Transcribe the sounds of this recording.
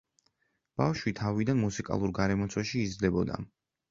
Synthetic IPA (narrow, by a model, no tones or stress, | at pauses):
b̥afʃwit̪ʰavid̪anmusikʼa̰lˠuɾɡaɾɛmɔt̪sʰwɛʃiːd̪zlɛbɔd̪a̰